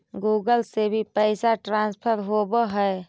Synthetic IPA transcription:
ɡuːɡəlsebʱipəɪsaʈɾãnspʰəɾɦobəɦəe

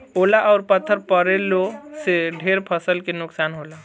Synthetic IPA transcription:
olaʔɔʊɾpət̪ʰːəɾpəɾeloseɖʱeɾpʰəsəlkenʊksanɦola

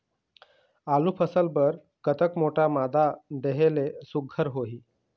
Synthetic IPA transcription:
aluːpʰəsəlbəɾ | kət̪əkmoʈʰamad̪ʱad̪eɦelesuɡʱːəɾɦoɦiː

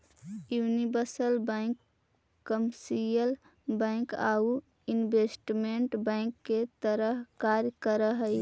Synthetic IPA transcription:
junibəɾsəlbə̃ɪ̃kː | əmsijəl | bə̃ɪ̃kau | inbesʈmeɳʈbə̃ɪ̃kːet̪əɾəɦkaɾjkəɾəɦəj

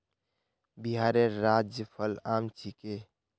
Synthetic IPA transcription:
biɦaːɾeɾaːd͡ʒjəpʰəlaːmt͡ʃʰike

